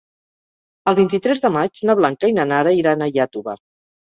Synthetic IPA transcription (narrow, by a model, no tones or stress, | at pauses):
əlˠβint̪it̪ɾɛzðəmad͡ʒnəβ̞laŋkəinanaɾəiɾanəjat̪uβa̰